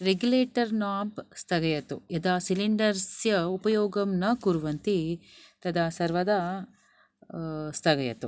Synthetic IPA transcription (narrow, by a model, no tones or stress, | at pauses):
ɾeɡjuleːʈɐɾnaːpst̪ʰɐɡɐjɐt̪uɐd̪aːsiliɳɖɐɾsjɐupɐjoːɡɐmnɐkuɾuʋɐnt̪it̪ɐd̪aːsɐɾʋɐd̪ɐ | st̪ʰɐɡɐjɐt̪u